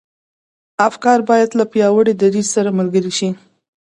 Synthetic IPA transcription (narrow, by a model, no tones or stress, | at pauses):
afkɑɾbɑjad̪lapjɑwəɽed̪aɾizsaɾamalɡəɾiʃi